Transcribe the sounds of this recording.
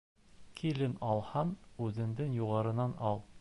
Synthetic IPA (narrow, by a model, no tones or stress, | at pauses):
kʰilɘnɒlˠhɑnʉðɘ̆nd̪ɘŋjuʁɑɾɤ̆nɑnɒlˠ